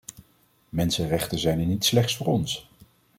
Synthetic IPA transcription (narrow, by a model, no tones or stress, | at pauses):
mɛnsənrɛχtənzɛjnɛnitslɛχtsfʊːɹɔns